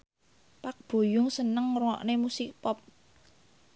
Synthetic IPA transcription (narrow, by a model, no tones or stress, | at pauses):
pak̚b̥o̤jʊŋsənəŋrwɔʔnemusik̚pɔp̚